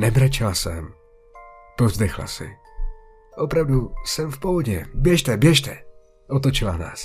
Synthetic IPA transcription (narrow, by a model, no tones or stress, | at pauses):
nɛbɾat͡ʃɪlasɛm | povzd̪ɛxla̰sɪ̰ | ʔopɾavdusɛmfpoɦoɟɛbjɛʃt̪ɛbjɛʃt̪ɛ | ʔot̪̬ot͡ʃɪla̰na̰ːs